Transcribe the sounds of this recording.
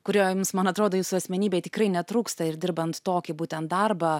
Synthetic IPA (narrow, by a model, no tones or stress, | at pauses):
kʊɾʲoːjumsmɐnɐt̪ɾoːd̪oːjuːsʊɐsʲmʲɛnʲiːbʲɛɪt̪ʲɪkɾɐɪnʲɛt̪ɾuːkst̪ɐɪɾdʲɪɾbɐnt̪t̪oːkʲɪbuːt̪ʲɛnt̪̚d̪ɐrbɐː